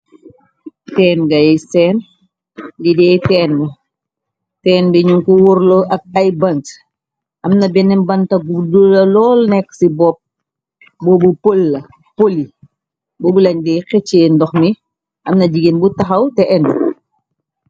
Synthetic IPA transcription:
tɛːnɡɐjɛjsɛːn | didɛjtɛːnmɛ | tɛːnbɛɲuŋkuwɔɾloʔɐk̚ɐjbɐnt | ʔɐmnɐbɛnɛmbɐntɐɡudulɐlɔːlnɛkːsibɔp̚ | bɔbupolːɐ | poli | bɔːbulɐɲdɛjxɛt͡ʃːeːndɔxmi | ʔɐmnɐd͡ʒiɡenbutɐxɐwtɛʔɛndu

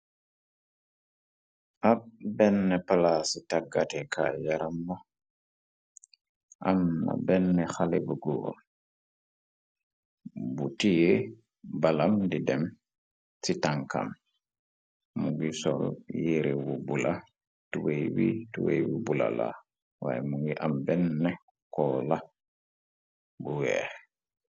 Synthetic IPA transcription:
ʔabɛnːɛpalasitaɡatɛkʰa̰jaɾamba | ʔamna̰bɛnːɛxalɛbuɡuwo̰ | butije | balamdidɛm | sitaŋka̰m | muŋɡisoljiɾibubula | tuwejwḭtuwḛjwubula̰la̰ | wa̰ːjemuŋɡiʔambɛnːɛ | kɔla | buwɛ

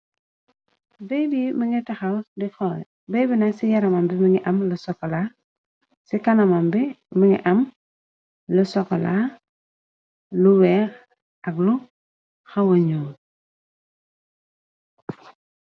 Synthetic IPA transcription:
bejbimiŋitaxawdixol | bejbinasijaɾamambimiŋiʔamlusɔkola | sikanamambi | miŋḭʔam | lusɔkɔ̰la | luweː | aɡlu | xawoɲuːŋ

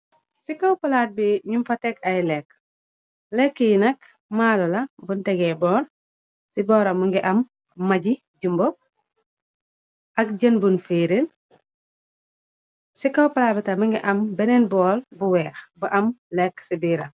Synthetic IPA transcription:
sikɐwpɐlaːt̚biɲumfɐtɛkɐjlɛk | lɛkːijinɐk | maːlulɐbuntɛɡɛbɔːɾ | sibɔːɾɐmuŋɡiʔɐmː | ɐɟi | ɟumbop̚ | ʔɐk̚ɟɐnbunfeːɾil | sikɐwpɐlaːbitamuŋɡiʔɐmbɛnenbɔːlbuwɛːxbuʔɐmlɛksibiɾa

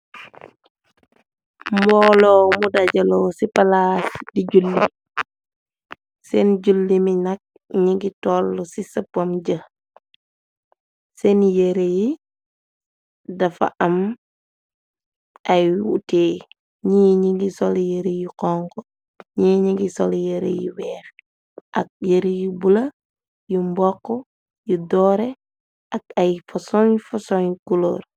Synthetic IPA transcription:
mbɔːlɔmudaɟɐlɔsipɐlaːsdiɟulːi | sɛnɟulːimiɲak̚ | ɲiŋɡitɔːlːɔsisɐpːɐmɟə | sɛnjeɾeji | dɐfa̰ʔɐm | ɐjwṵteː | ɲiɲiŋɡisɔljeɾejikɔŋkɔ | ɲiɲiŋɡisɔ̰ljeɾḛjḭwɛːx | ʔɐ̰k̚jeɾijibulɐ | jumbɔkːɔ | judɔːɾɛ | ʔɐk̚ɐjfɐsɔɲfɔsɔɲkulo̰ːr

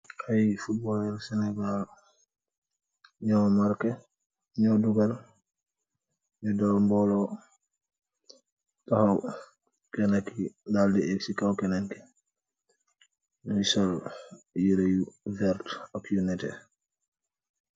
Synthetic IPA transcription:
ʔajfut̚bɔlɛɾsɛnɛɡal | ɲɔmaɾkɛ | ɲɔduɡal | jɔdɔlmbɔlɔ | tɔhaw | kɛnakidaldɛeksikawkɛnaŋkɛ̥ | misɔljiɾejuvɛɾtɔkjunɛtɛ̰

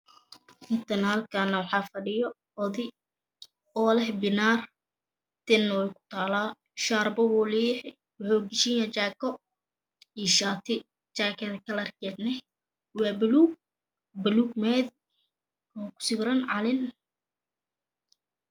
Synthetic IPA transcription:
hɪt̪ʰɐnhɐlkʰanɐwɑħɑːfɐɖɪjɔ | ɔðɪ | ɔːlɛhbɪnaːr | t̪ʰɛnːɔwɛjkʰʊ̥t̪ʰaːlaː | ʃaːɾbɐwɔliːħ | wɑħuːɡɪʃinɐt͡ʃaːkɔ | iːʃaːt̪ʰɪ | t͡ʃaːkʰɛðkʰɐlɐrkɛːd̪nɛ | wɑːbɐluːɡ̚ | bɐluːɡmɛd̪ | ɔːkʰʊ̥sɪɡɾɐnʕɑlɪn

